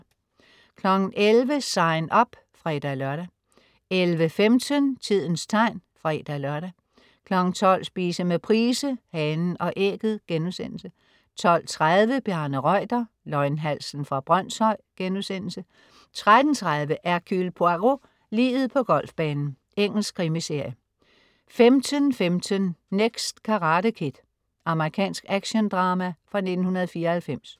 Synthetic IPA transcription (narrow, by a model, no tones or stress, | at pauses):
kʰlɒ̽ɡ̥n̩ʔelʋəsɑ̈ɪnɒ̽b̥ | fʁɑe̝d̥ælɶɐɾ̥æ | elʋəfemd̥ʰənt͡sʰið̞̰ˠn̩st͡sʰɑ̈ɪ̰nfʁɑed̥ælɶɐɾ̥æ | kʰlɒ̽ɡ̥n̩t͡sʰɒ̽l̰sb̥ḭːsəmepʰʁiːsəhɛnn̩ʔɒ̽ʔeɡ̥ð̩ˠɡ̥enusen̰l̩sə | t͡sʰɒ̽l̰t͡sʰʁaðˠʋəb̥jæɐnəʁɒɪ̰d̥ɐ | lɒɪnɦæl̰sən̩fʁɑ̈b̥ʁɶn̰sɒɪ̰ɡ̥enusen̰l̩sə | t͡sʰʁad̥n̩t͡sʰʁaðˠʋəʔæɐkʰylpʰoaʁo̝ | liːðð̞̩ˠpʰɒ̽ɡ̥ɒ̽l̰fb̥ɛːnn̩ | eŋ̰l̩skʰʁimise̝ɐ̰jə | femt͡sʰənfemt͡sʰənːeɡ̥sd̥kʰɑ̈ʁɑ̈ːɾəkʰid̥ | ʔɑ̈məʁikʰɛ̰ːnsɡ̥æɡ̥ɕond̥ʁɑ̈ːmæfʁɑ̈ne̝d̥n̩hunɐðˠfiːɐhælfem̰s